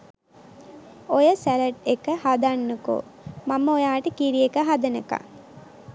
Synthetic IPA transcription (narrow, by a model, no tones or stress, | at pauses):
ojəsæɾəʈekəhad̪anːəko̰maməojaːʈəkiɾiekəɦad̪ənəka̰